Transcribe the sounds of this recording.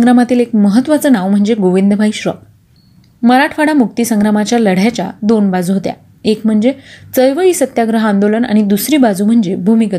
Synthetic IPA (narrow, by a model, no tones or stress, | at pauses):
ŋɡɾamat̪iːlekməɦət̪ːʋat͡sənaʋm̤əɳd͡zeɡoʋind̪əbʱaiɕɾə | məɾaʈʰfaɽamuk̚t̪isəŋɡɾamat͡ɕjaləɽ̤jat͡ɕa̰d̪onbad͡zuɦot̪ja̰ | ekm̤əɳd͡zet͡səjʋəiːsət̪jaɡɾəɦand̪oləna̰ɽ̃id̪usɾiːbad͡zuːm̤əɳd͡zebʱumikət̪